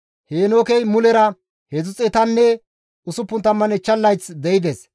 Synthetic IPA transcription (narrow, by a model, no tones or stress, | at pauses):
heːnoːkɛjmʊlɛɾɐ | hɛzʊt͡sʼɛt̪ɐnːɛ | ʊsʊpːʊnt̪ɐmːɐnɛt͡ʃːɐlːɐjt͡sd̪ɛɪd̪ɛs